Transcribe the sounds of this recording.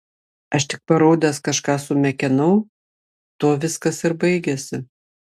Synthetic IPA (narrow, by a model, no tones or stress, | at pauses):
ɐʃt̪ʲɪk̚pɐɾoːd̪ʲɛskɐʃkɑːsʊmʲɛkʲɛnɐʊ | t̪oːʋʲɪskɐsɪɾbɐɪɡʲɛsʲɪ